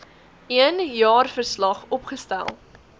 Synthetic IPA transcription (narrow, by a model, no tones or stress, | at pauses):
iənjɑːrfərslɐχɔpχəstæ̰lˠ